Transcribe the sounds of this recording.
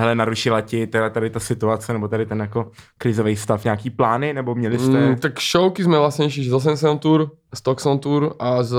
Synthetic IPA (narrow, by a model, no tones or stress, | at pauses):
ɦɛlɛnaɾuʃɪlacɪt̪ɛdat̪adɪt̪asɪt̪uat͡sɛnɛbot̪adɪt̪ɛnjakokɾɪzovɛjst̪afɲaːkiːplaːnɪnɛbomɲɛlɪst̪ɛt̪akʃowkɪzmɛvlasɲɛjʃiʃzos̬ɛns̬ɛnt̪uɾ | st̪oksont̪uɾʔaz